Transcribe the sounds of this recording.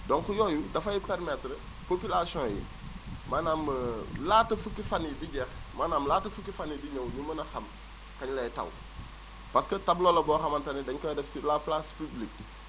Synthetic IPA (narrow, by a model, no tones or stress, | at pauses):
dɔnkujɔːjudɐfɐjipɛɾmɛtɾə | popilasiɔ̃jḭ | maːnaːməlaːtɐfukifɐnidiɟɛxmaːnamlaːtɐfukːifɐnidiɲɐwɲumɐnɐxɐm | kɐɲlɐtɐ̰w | pɐskətɐblɔːlɐbɔːxɐmɐntɐnidɛɲkɔdɛfilaplaspiblik̚